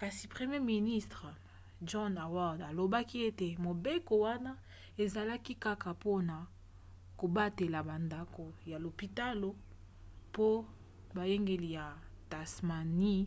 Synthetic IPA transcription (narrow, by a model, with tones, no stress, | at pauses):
ka˨si˨pʁe˨mje˦mi˨ni˦stʁ | d͡ʒɔ˦na˨wa˦˨da˨lo˨ba˦ki˦e˦te˨mo˨be˦ko˨wa˦na˦ | e˨za˨la˦ki˦ka˦ka˨po˦na˨ | ko˨ba˦te˨la˨ba˨nda˨ko˨ja˨lo˨pi˨ta˦lo˨ | po˦ | ba˨je˦ŋɡe˨li˨ja˨ta˨sma˨ni˦